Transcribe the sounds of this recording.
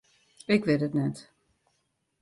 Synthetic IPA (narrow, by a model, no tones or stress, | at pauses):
ɪkʋɪtətnɛt